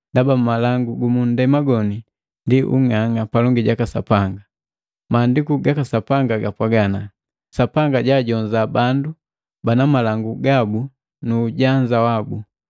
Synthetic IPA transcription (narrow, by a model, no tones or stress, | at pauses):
ndabamalaŋɡuɡumundɛmaɡɔni | ndiʔṵŋaŋapalɔŋɡiɟakasa̰paŋɡa | maːndikuɡakasapaŋɡaɡapwaɡana | sapaŋɡaɟaːɟɔɲd͡ʒabandu | banamalaŋɡuɡabu | nuːɟaɲd͡ʒawabu